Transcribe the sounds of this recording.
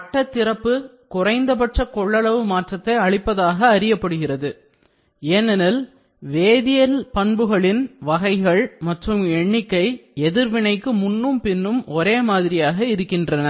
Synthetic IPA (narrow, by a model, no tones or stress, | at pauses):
ɐʈːɐt̪ːɪɾɐpːɯ | kʊrɐɪnd̪ɐpɐʈrɐkɔɭːɐɭɐʋɯmaːʈrɐt̪ːɐɪɐɭɪpːɐðaːɣɐːɾɪjɐpːɐɽɯɣɪrɐðɯ | eːnɐnɐl | ʋeːðɪjɐlpɐɳbɯɣɐɭɪnʋɐɣɐɪɣɐɭmɐʈrɯmɛɳːɪkːɐɪɛðɪɾʋɪnɐɪkːɯmʊnːɯmpɪnːɯmɔɾeːmaːðɪɾɪjaːɣɐɪɾɯkːɪndrɐnɐ